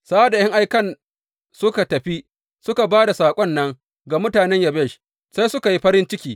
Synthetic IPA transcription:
saː˦a˦˨da˨jɐ˦ŋʔa˨˦jkɐ˦˨n | sʊ˦ka˨tɐ˨ɸi˦ | sʊ˦ka˨baː˦da˨saː˨kʷʼɔ˦nːɐ˦ŋ | ɡa˨mʊ˦taː˨nɛ˦ɲjɐ˨bɛ˦˨ʃ | sa˦jsʊ˦ka˨ji˦ɸɐ˦ɾɪ˦nt͡ʃɪ˦kʲiː˨

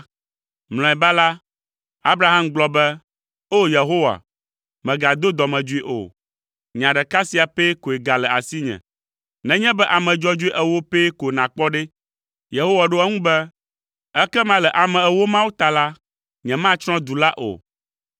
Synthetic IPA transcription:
ml̃ɔ̃˨ɛ˨ba˦la˦ | a˦bɾa˦ɦa˦mɡ͡blɔ˦bɛ˦ | o˦je˨ɦo˦wa̰˨ | mɛ̃˨ɡa˨d̪o˦d̪ɔ˨mɛ̃˨d͡ʒu˦i˦ʔo̰˨ | ɲã˨ɖɛ˨ka˦si˦a˨pe˦ko˨e˨ɡa˨lɛ˨a̰˨si˦ɲɛ̰̃˨ | nɛ̃˨ɲɛ̃˦bɛ˦ʔa˨mɛ̃˨d͡ʒɔ˦d͡ʒu˦i˦ʔɛ˦wo˦pe˦ko˨nã˨k͡pɔ˦ɖɛ˦ | je˨ɦo˦wa˨ɖo˦ɛ˦ŋũ˦bɛ˦ | ɛ˦kɛ˦mã˦lɛ˨ʔa˨mɛ̃˨ɛ˦wo˦mã˦wu˦t̪a˨la˦ | ɲɛ̃˨mã˦t͡ʃɾ̃ɔ̃˦d̪u˨la˦ʔo̰˨

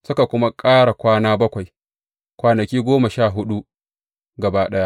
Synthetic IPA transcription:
sʊ˦ka˨kʷʊ˦ma˦kʼaː˦ɽa˨kʷaː˦naː˦bɐ˦kʷa˨j | kʷaː˨nɐ˨kʲiː˦ɡʷoː˦mɐ˨ʃaː˦˨ɦʊ˦ɗu˦ | ɡɐ˨baː˦ɗɐ˦ja˦ʔ

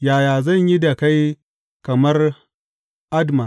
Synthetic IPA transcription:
jaː˨jaː˨zɐ˦˨ɲji˦da˨ka˦j | kɐ˨mɐ˦r | ʔa˦dma˨ʔ

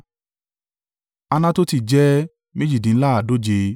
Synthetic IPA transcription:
a˧nã˦to˦ti˦˨d͡ʒɛ˦ | mẽ˦d͡ʒi˦˨dĩ˨˦la˦a˨do˦d͡ʒe˧

